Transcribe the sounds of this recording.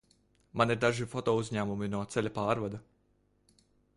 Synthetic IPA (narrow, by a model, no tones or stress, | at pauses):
maniɾd̪aʒifɔt̪ɔːuzʲɲæːmuminuɔt̪sɛlʲapaːɾvad̪a